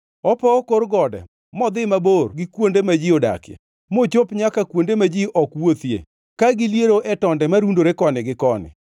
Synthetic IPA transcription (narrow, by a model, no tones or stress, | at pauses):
ɔpɔkoɾɡɔdɛ̰ | mɔd̪ɪmaborɡɪkwondemad͡ʒioda̰kjɛ̰ | mot͡ʃopɲakakwondemad͡ʒiʔɔkwot̪jḛ | kaɡɪljeɾoʔɛtɔndɛmaɾundoɾekɔnɪɡɪkɔnɪ̰